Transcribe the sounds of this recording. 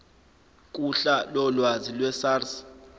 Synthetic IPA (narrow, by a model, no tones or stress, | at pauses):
kʼuɬalɔlwazilwɛsaːrs